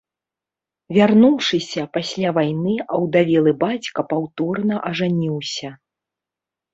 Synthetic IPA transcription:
vʲarnuwʂɨsʲɐpasʲlʲavajnɨʔɐwd̪avʲɛlˠɨbat͡sʲkɐpawt̪ɔrnɐʔɐʐanʲiwsʲɐ

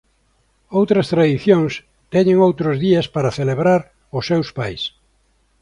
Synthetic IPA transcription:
owt̪ɾast̪ɾaðiθjõŋs | t̪ɛɲẽŋowt̪ɾozðiespaɾaθeleβɾaɾ | ʊsewspajs

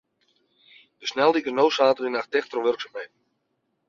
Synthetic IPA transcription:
dəsnɛlˠdikərnowsaːtərinaxtɛxtroʋørksamhejtn̩

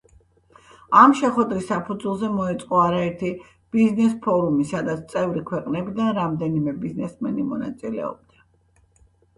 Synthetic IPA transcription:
amʃɛχwɛd̪ɾisːapʰud̪zwulˠzɛmɔɛt̪sʼqʼɔaɾaɛɾt̪ʰi | b̥iznɛspʰɔɾumisad̪at̪sʰt̪sʼɛvɾikʰwɛqʼnɛbid̪anɾamd̪ɛnimɛbiznɛsmɛnimɔna̰t̪sʼilɛ̰ɔ̰b̚d̪̥a

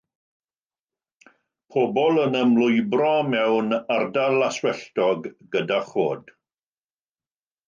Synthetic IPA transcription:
pʰobɔlˠənəmlʊjbrɔmɛwnardalaswɛɬtɔɡɡədaχoːd̥

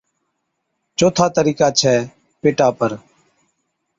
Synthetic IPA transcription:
t͡ʃoːt̪ʰaːt̪əɾiːkaːt͡ʃʰɛː | peːʈaːpəɾ

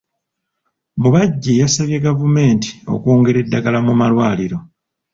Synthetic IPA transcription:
muβaɟːejasaβje̞ɡavume̞ːnti̥o̞̰koːŋɡe̞ɾe̞dːaɡalamumalwaːliɾo̞

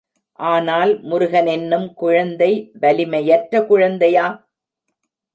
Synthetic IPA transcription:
ʔaːnaːlmʊɾʊɣɐnɛnːɯmkʊɻɐnd̪ɐɪʋɐlɪmɐjɐʈrɐkʊɻɐnd̪ɐjaː

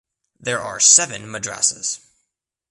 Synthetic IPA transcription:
ðɛɹʔa̰ɹsɛvɨ̃nmədɹæ̰sɪz̥

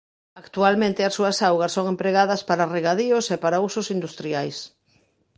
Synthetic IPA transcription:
akt̪ualmẽnt̪ɪɐsːuɐsawɣɐsoŋempɾeɣaðɐspaɾareɣaðiosepaɾausʊsind̪ust̪ɾiajs

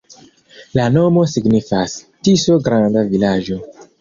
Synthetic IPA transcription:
lano̞mo̞siɡnifas | tisoɡɾandavilad͡ʒo̞

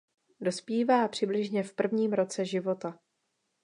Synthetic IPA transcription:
do̞spiːvaːpr̥ɪblɪʒɲɛfpr̩vɲiːmɾo̞t͡sɛʒɪvo̞t̪a

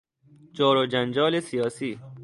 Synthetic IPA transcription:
d͡ʒɒːɾod͡ʒænd͡ʒɒːlesijɒːsiː

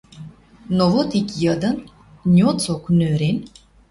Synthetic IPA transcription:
novot̪ikʲjəd̪ən | nʲiot͡soknøɾen

